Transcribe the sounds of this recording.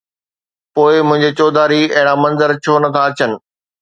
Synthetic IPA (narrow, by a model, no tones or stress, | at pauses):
poːɪmʊ̃ɦɪ̃ɲd͡ʑet͡ɕoːd̪aːɾiɐɦɪ̃ɽ̃amɐ̃nzəɾt͡ɕʰoːnɐt̪ʰaɐt͡ɕənɪ̆